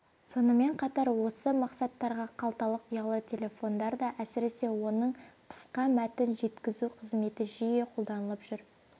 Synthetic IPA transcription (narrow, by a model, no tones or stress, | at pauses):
so̞nəme̞ɴqʰɑt̪ɑɾwo̞səmɑqsɑt̪ːɑɾʁɑqʰɑlˠt̪ɑlˠəqʰʊjɑlˠət̪ʲʰe̞lʲe̞fo̞nd̪ɑɾd̪ɑʔæsɪɾe̞se̞wo̞nəɴqʰə̥sqɑmæt̪ɪnʒe̞t̪kʲɪzuqʰəzme̞t̪ɪʒijeqʰo̞lˠd̪ɑnəlˠəpʒ̥ʏɾ